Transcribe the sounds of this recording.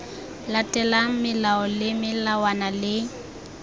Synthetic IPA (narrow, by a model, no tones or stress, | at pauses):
latʼɛlaŋ̩mɪlaɔlɪmɪlawanalɪ